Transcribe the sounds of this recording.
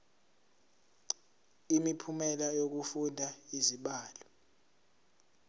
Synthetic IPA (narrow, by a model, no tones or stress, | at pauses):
imipʰumɛlajok̬ufundʱaiziɓaːlɔ